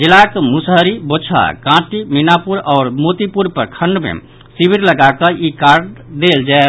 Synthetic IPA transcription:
d͡ʒilakmusɦəɾibot͡ʃʰa̰kãʈiminapuɾɔːɾmot̪ipuɾpəɾkʰəɳɖmḛ | sibʱiɾləɡakəʔikaɾɖd̪eld͡ʒae

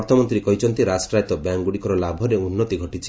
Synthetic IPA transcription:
ɾt̪ʰɔmɔnt̪ɾikɔjt͡ʃʰɔnt̪iɾasʈɾajt̪ɔbjaŋɡuɽikɔɾɔlabʱɔɾeunːɔt̪iɡʱɔʈit͡ʃʰi̥

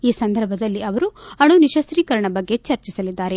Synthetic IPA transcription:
iːsɐnd̪ʱɐɾbʱɐd̪ɐlːiʔɐʋɐɾuɐɳuniʃɐsɾiːkɐɾɐɳɐbɐɡːe̞t͡ʃɐɾt͡ʃisɐlid̪ːaːɾe̞

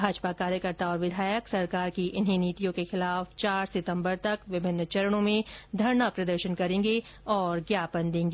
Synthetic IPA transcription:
bʱaːd͡ʒpakaːɾjəkəɾt̪aɔːɾʋɪd̪ʱaːjəksɐɾkaːɾkiʔɪnɦiniːt̪ijõkexɪlaːft͡ʃaːɾsɪt̪ə̃mbəɾt̪ɐkʋɪbʱɪnːt͡ʃɐɾəɽ̃õmẽd̪ʱɐɾɳapɾɐd̪əɾʃənkɐɾẽːŋɡeɔːɾɡjaːpənd̪ẽːŋɡeː

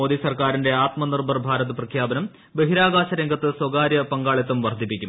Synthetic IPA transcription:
oːd̪isɐrkaːɾinde̞aːt̪mɐnirbʱɐrbʱaːɾɐðɨprɐkʰjaːbɐnɐm | beɦiɾaːɡaːɕɐɾeŋɡɐt̪ːɨswɐɡaːɾjɐpɐŋɡaːɭiɐt̪ːumʋɐrd̪ʱipːikʲːum

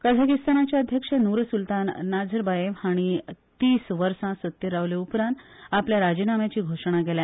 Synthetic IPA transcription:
kəd̪ʱakist̪anat͡ɕjaəd̪ʱjəkʂənuɾəsult̪anːad͡zʱəɾbajeʋaɽ̃it̪iːsʋəɾsãsət̪ːjəɾaʋleupɾãnt̪apljaɾad͡ʑinamjat͡ɕiːɡʱoʂɽ̃aɡɛlɛ

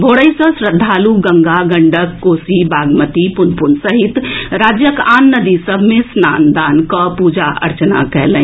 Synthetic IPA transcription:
bʱoɽəjsə̃sɾəd̪ʱːaːluɡəŋɡaɡəɳɖəkːoːsibaɡmət̪ipunpunsəɦit̪ɾaːd͡ʒjəkanːəd̪isəbʱmẽsnand̪ankəpud͡ʒaʔə̰ɾt͡ʃna̰kɛɦlən

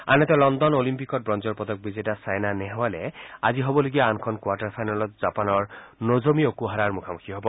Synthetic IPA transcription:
a̰nɛt̪ɔlɔnd̪ɔnolimpikɔt̚bɹɔnd͡ʒɔɹpɔd̪ɔk̚bizetasajnanɛɦɔwalɛaziɦobɔloɡiaankʰɔnkwaʈaɹpʰajnalɔt̪̚z̥apanɔɹnozomiokuɦaɾaɹmukʰamukʰiɦɔbɔ

